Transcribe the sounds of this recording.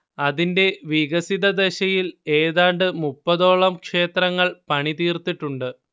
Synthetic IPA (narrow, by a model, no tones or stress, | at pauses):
ɐðinde̞ʋiɣɐsiðɐd̪eɕɐjile̞ːðaːɳɖɨmupːɐðo̞ːɭɐmkʂe̞ːt̪rɐŋːɐɭpɐɳit̪iːrt̪iʈːuɳɖɨ